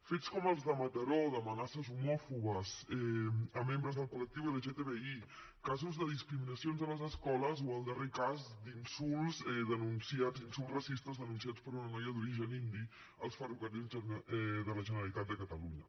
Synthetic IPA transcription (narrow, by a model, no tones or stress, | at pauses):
fet͡skɔməlˠzðəmət̪əɾoðəmənasəzumɔfuβəzɛəmembɾəzðəlˠkulək̚t̪iwðəʒet̪eβei | kazuzðəð̞iskɾiminəsionzðələzəskɔləzoəlˠd̪ərekazd̪insulˠzɛðənunsiad͡zinsulˠzrəsist̪əzðənunsiat͡spəɾunənɔjəðuɾiʒənind̪i | əlˠsfərukəɾizɛðələʒənəɾəlit̪at̪̚d̪əkət̪əluɲə